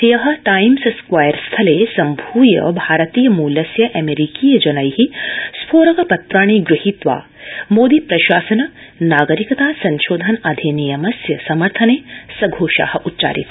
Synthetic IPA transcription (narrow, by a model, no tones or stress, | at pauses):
jɐɦɐ̆ʈaːimsskwaːjɐɾst̪ʰɐleːsɐmbʱuːjɐ̰bʱaːɾɐt̪iːjɐmuːlɐsjɐʔɐmeɾikiːjɐd͡ʒɐnɐjɦispʰoːɾɐkɐpɐt̪ɾaːɳ̃iːɡɾuhit̪ʋa̰ː | moːd̪ipɾɐʃaːsɐnɐ | naːɡɐɾikɐt̪aːsɐnʃoːd̪ʱɐnɐd̪ʱinijɐmɐsjɐsɐmɐɾt̪ʰɐneːsɐɡʱoːʃa̰ːhɐ̆ʔutːt͡ʃa̰ːɾḭt̪